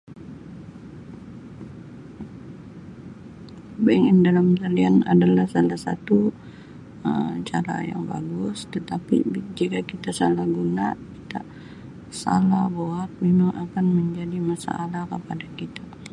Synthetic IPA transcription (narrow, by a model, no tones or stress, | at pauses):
baŋɪndalamt̪aliana̰dalahsalahsa̰t̪u | ət͡ʃaɾa̰ja̰ŋba̰ɡʊst̪ət̪apḭd͡ʒikakit̪asalahɡunaki̥t̪a̰ | sa̰lahboat̪̚memaŋʔakanməɲd͡ʒadimasa̰ːlahkəpadakit̪a